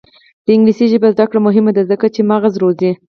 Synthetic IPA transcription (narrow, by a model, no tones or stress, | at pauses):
d̪̥əɪŋɡlisiʒəbazd̪akɽamʊɦɪmad̪azəkat͡ʃemɑɣazɾozi